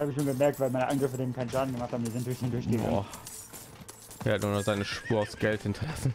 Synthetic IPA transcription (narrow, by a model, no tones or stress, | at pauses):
haːbəçʃoːnɡəmɛɐk̚tv̥aɪlmaɪnəʔanɡʁɪfədeːmkʰaɪnʃaːdn̩ɡəmaχtʰhaːm̩diːzɪntd̥ʊɐçd̥eːndʊɐçɡ̥əɡ̰ | ʔeːɐhatnuɐnɔːχz̥aɪnəʃpuːɐaʊsɡ̥ɛlthɪntʰɐlasn̩